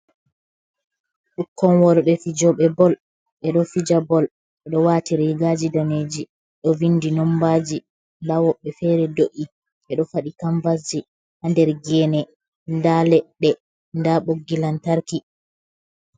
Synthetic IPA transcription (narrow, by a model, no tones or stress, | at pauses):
ɗukʰːɔnwɔɾɓɛfid͡ʒɔɓɛbɔl | ɓɛɗɔfid͡ʒabɔl | ɛɗɔwaːtiɾiɡad͡ʒidaneːd͡ʒi | ɗɔvinːdinɔmbad͡ʒi | ndawɔɓːɛfɛɾɛdoʔi | ʔɛɗɔfaɗikaɱvazi | handɛɾɡɛnɛ | ndalɛɗːɛ | ndaɓoɡːilantaɾki